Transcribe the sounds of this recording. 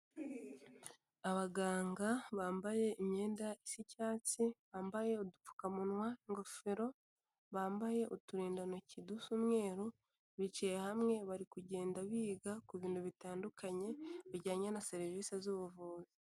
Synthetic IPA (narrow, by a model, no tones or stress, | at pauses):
aβaɡaːŋɡaβaːmbaje̞imɲe̞ːndaisicaːt͡siβaːmbaje̞odup͡fu̥kamunwaŋɡo̞fe̞ɾo̞ | βaːmbaje̞ʔutuɾiːndanocidusumŋe̞ːɾo | βit͡ʃijehamŋe̞βaɾikuɟe̞ːndaβiːɡakuβiːnduβitaːndukʰaɲe̞βiɟaːɲenase̞ɾiviːsezuβuvuːzi